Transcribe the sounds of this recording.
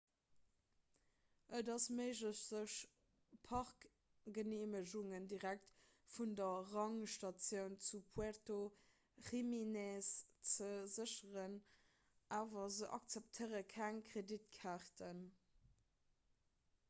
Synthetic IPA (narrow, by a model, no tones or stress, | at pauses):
ʔədɑsməɪʒləɕz̥əɕ | pʰɑʁk | ɡ̥əneːməʑuŋəndiʁæk̚t | fundɐʁɑŋʃtɑt͡sjəʊnt͡supʰuaʁto | χiminɛst͡səzəɕəʁən | ʔaːvɐzəʔɑ̰kt͡sɛp̚tʰəɪʁəkʰæŋkʁedit̚kʰaʁtʰən